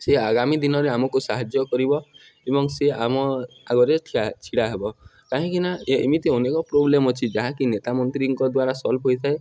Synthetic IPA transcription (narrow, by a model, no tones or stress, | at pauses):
seaɡamid̪inɔɾeamɔkusaɦad͡ʒjɔkɔɾibɔ | ebɔŋseamɔ | aɡɔɾetʰiat͡ʃʰiɽaɦebɔkaɦĩkinaemit̪eɔnekɔpɾoblemɔt͡ʃʰid͡ʒaɦãkinet̪amɔnt̪ɾiŋkɔd̪waɾasɔlbʱɦojt̪ʰae